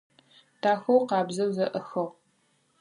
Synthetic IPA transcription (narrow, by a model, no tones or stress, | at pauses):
tʰaːxɐwqɑːbzɐwzɐʔɐxɐʁ